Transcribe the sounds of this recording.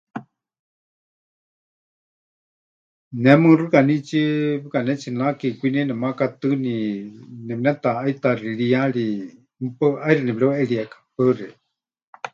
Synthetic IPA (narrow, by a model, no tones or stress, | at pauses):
nɛmɨrɨkanit͡ʃiβɨkanɛt͡ʃinakikʷinɛnɛmakat̪ɨninɛbinɛt̪aːit̪ariɺiaɺi | m̩pəʔairinɛbɺɛwʔɛɺiakḁpərɛ